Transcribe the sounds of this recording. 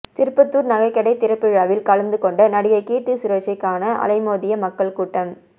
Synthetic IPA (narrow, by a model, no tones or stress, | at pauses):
t̪ɪɾɯpːɐt̪ːuːɾnɐɣɐɪkːɛɽɐɪt̪ɪɾɐpːɪɻaːʋɪlkɐlɐnd̪ɯkɔɳɖɐnɐɽɪɣɐɪkiːʈt̪ɯsʊɾɐːʂɪkːaːnɐʔɐ̰lɐɪmoːðɪjɐmɐkːɐɭkuːʈːɐm